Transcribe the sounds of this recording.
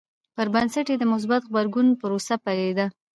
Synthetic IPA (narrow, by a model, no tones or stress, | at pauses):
pəɾbansaʈjed̪əmʊs̬bat̪ɣbaɾɡunpəɾosapaɾed̪a